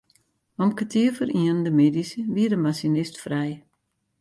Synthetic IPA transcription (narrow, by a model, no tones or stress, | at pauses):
ɔmkətʰiəfərʔiəndəmedisəʋiədəmasinɪstfrɛj